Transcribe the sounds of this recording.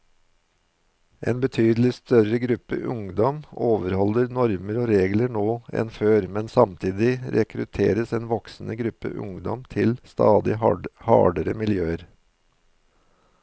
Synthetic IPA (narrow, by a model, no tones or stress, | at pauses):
ʔeːnbət̪ʰyːd̪l̩ɪst̪œɾəɡɾʉpə̰ʔʊŋd̪ɔmoːʋəɾhɔləɾnɔɾməɾoːɾeːɡləɳoːɛ̰nføːɾmɛnsɑmt̪ʰiːd̪ɪɾɛkʰɾʉt̪ʰḛːɾəseːnʋɔksn̩əɡɾʉpə̰ʔʊ̰ŋd̪ɔ̰mt̪ʰɪlst̪ɑːd̪ɪhɑ̰ːɖəɾəmɪljøːəɾ